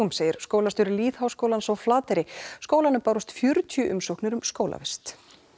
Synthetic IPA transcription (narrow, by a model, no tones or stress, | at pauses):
ʏmseːjɪɾ̥skoːwlast̪ʏɾʏliːðhawskowlansɔwflaːt̪ɪɾɪskoːwlanʏmpaːwɾʏst̪fjʏɾʏt̪ʰjʏʔʏmsowknɪɾʏmskoːwla̰vɛst̪